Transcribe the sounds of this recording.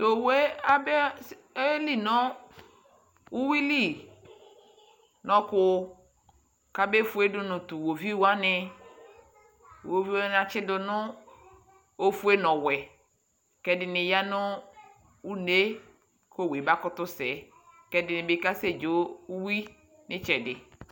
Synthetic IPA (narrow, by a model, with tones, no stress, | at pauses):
t̪o˨we˦a˦bɛ˦ | e˦li˦nɔ̃˦ | u˦wi˦li˦˨ | nɔ̃˨kʊ˦ | ka˦be˦fu˦e˦dʊ˦nʊ̃˨tu˨wo˨vi˦wa˦nɪ˦ | wo˨vi˦wa˦n˨a˨t͡ʃɪ˦dʊ˦nʊ̃˦ | o˦fu˦e˦nɔ̃˨wɛ˨ | kɛ˦dɪ˨nɪ˨ja˦nʊ̃˦ | u˦ne˦ | ko˦˨we˨ba˦kʊ˦tʊ˦sɛ˨ | kɛ˦dɪ˨nɪ̃˨bɪ˦ka˦se˦d͡ʒo˨˦u˦wi˦ | nɪ˦t͡ʃɛ˨dɪ̰˨